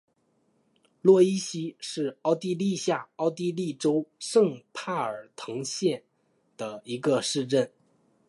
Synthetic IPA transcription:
lwɔ˥˩i˥ɕi˥ʂɻ̩˥˩ɑ˥˧ʊt̪i˥˧li˥˧ɕja˥˩ɑ˥˧ʊt̪i˥˧li˥˩ʈ͡ʂo˥ʊʂɤ˥˧ŋpʰa˥˩ə˞˨˩t̪ʰɤ˧˥ŋɕjɛ˥˩n | d̪̥ə˩i˧˥ɡə˧ʂɻ̩˥˧ʈ͡ʂə˥˩n

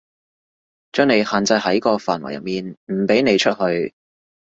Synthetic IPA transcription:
t͡ʃœː˥ŋne˨˧jhaː˨nt͡sɐ˧jhɐ˨˥jkɔː˧faː˨˩nwɐ̰˨˩jɐ̰˨˩t̚miː˨nm̩˨˩pe˨˥jne˨˧jt͡ʃʰɵ˥t̚hɵ˧ɥ

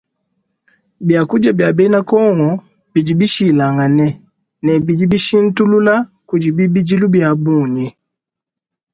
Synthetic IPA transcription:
bja˨ku˦d͡ʒa˦˨bja˨bɛ˦i˦na˦kɔ˦ŋɔ˨ | b̥i˨d͡ʒi˨bi˦ʃi˦la˨ŋa˨nɛ˦ | nɛ˨bi˨d͡ʒi˦bi˦ʃi˦n̩˦tu˦lu˦la˦ku˨d͡ʒi˨bi˦bi˦d͡ʒi˦lu˦bja˨bu˦˨ɲi˨

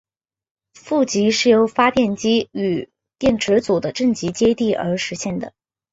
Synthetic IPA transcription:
fu˥˩t͡ɕi˧˥ʂɻ̩˥˩jo˧˥ʊfa˥t̪jɛ˥˩nt͡ɕi˥y˨˩ | t̪jɛ˥˩nʈ͡ʂʰɻ̩˧˥t͡su˨˩d̪ə˦ʈ͡ʂə˥˩ŋt͡ɕi˧˥t͡ɕjɛ˥t̪i˥˩ʔə̰˞˧˥ʂɻ̩˧˥ɕjɛ˥˩nd̪ə̰˩

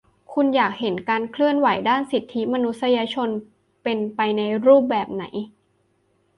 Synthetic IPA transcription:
kʰu˧njaː˨˩k̚he˩˦nkaː˧nkʰlɯ˥˩ənwa˩˦jdaː˥˩nsi˨˩t̪ʰːi˦˥ma˧nu˦˥t̪̚sa˧jaː˧t͡ɕʰo˧n | pe˧npa˧jna˧jɾuː˥˩p̚bɛː˨˩p̚na˩˦j

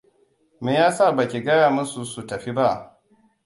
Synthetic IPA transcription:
meː˨jaː˦sa˦˨ba˨kʲi˨ɡɐ˦jaː˨mʊ˦su˨su˨tɐ˨ɸi˦ba˦ʔ

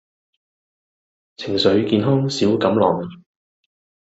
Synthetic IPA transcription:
t͡sʰɪ˨˩ŋsɵ˨˧ɥkiː˧nɦɔː˥ŋsiː˨˥wkɐ˨˥mlɔː˨ŋ

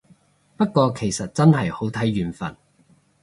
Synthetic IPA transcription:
pɐ˥t̚kɔː˧kʰe˨˩jsɐ˨t̚t͡sɐ˥nɦɐ˨jho˨˥wt̪ʰɐ˨˥jɥyː˨nfɐ̰˨˩n

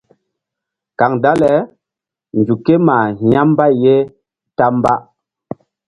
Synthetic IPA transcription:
ka˨ŋda˦lɛ˨˦ | nd͡ʒu˨ke˦ma˨˦a˦m˦ba˦je˦ | ta˦mba˦

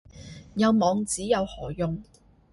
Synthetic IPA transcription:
jɐ˨˧wmɔː˨˧ŋt͡siː˨˥jɐ˨˧whɔː˨˩jʊ˧ŋ

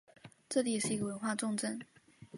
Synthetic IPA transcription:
ʈ͡ʂɤ˥˩t̪i˥˩jɛ˨˩ʂɻ̩˥˩i˧˥ɡə˧wə˧˦˥nxwa˥˧ʈ͡ʂʊ˥˧ŋʈ͡ʂə˥˩n

